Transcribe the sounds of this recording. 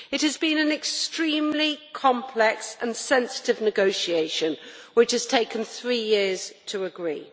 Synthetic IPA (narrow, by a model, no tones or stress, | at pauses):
ɪt̚həzbĩnə̃nɪkstɹ̥ĩːmlikʰɒ̃mpʰlɛksə̰̃nsɛ̃nsɪ̥tɪvnɨɡoʊʃieɪʃə̃nwɪt͡ʃhəz̥tʰeɪkə̃nθɹiːjɪəz̥tʰəəɡɹḭː